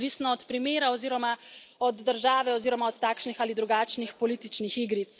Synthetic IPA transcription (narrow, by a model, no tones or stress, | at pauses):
ʋisnɔɔt̪pɾimeːɾaɔziːɾɔma | ɔd̪ːəɾʒaːʋɛɔziːɾɔmaɔt̪t̪aːkʃnixaːlid̪ɾuɡaːt͡ʃnixpɔliːt̪it͡ʃnixiːɡɾit̪s